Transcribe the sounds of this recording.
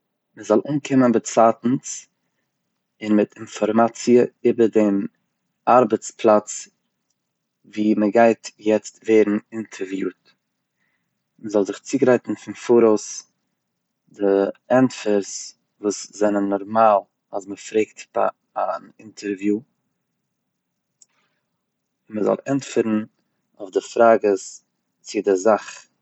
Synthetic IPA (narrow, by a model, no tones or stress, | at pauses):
məzɔlˠʔuːnkʰɪmənbət͡satn̩t͡s | ɪnmɪtɪnfɔɾmat͡siəɪbəɾdem | aɾbət͡splˠat͡s | viːməɡaɪtjɛt͡stveːɾn̩ɪntʰəɾvjuːt | məzɔlˠzɪχt͡siːɡɾaɪtn̩fɪnfuːɾoʊs | dɪɛntfəɾs | vuːszɛnənːɔɾmaːlˠ | asməfɾeɪktba̰ | anɪntʰəɾvju | məzɔ̰lˠɛntfɪɾn̩ | ʊfdɪfɾaːɡəs | t͡sɪdɪzaχ